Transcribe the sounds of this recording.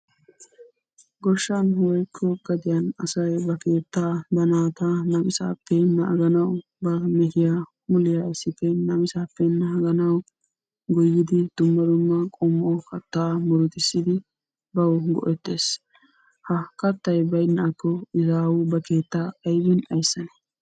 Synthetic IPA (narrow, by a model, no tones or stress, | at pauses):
ɡɔʃːɐnhwɔjkʰːɔɡɐd̪ɪjɐnɐsɐjbɐke̞ːt̪ːabɐnaːt̪anɐmɪsa̰ːpːɛnːɐʔɐɡɐnɐw | bɐmɛhɪja | mʊlɪjaɪsːɪpːɛnɐmɪsaːpːɛnːɐhɐɡɐnɐw | ɡɔjːɪd̪ɪd̪̥ʊmːɐd̪ʊmːɐkʼɔmːʔɔkɐt̪ːaːmɔɾʊt̪ɪsːɪd̪ɪ | bɐwɡɔ̰ʔɛt̪ːe̞ːs | hɐkɐt̪ːɐjbɐjnːɐʔkːɔɪzaːwʊbɐke̞ːt̪ːaɐjwɪnɐjsːɐnɛ